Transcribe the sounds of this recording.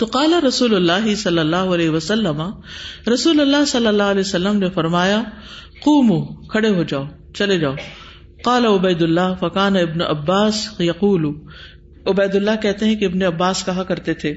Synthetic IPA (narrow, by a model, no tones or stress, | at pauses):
t̪oqaːlaɾɐsuːlʊlːaːɦɪsɐlːɐlːaːɦoɐlɛːɦiʋɐsɐlːɐmaɾɐsuːlʊlːaɦsɐlːɐlːaːɦʊɐlɛːsɐlːəmnefɐɾmaːja | quːmukʰɐɽeɦod͡ʒaːo | t͡ʃɐled͡ʒaːo | qaːlaʊbɐjd̪ʊlːaːɦfɐkaːnaɪbnoʔɐbːaːsjɐquːlu | ʊbɛːd̪ʊlːakɛɦt̪eɦɛ̃keɪbneɐbːaːskɐɦakɐɾt̪et̪ʰeː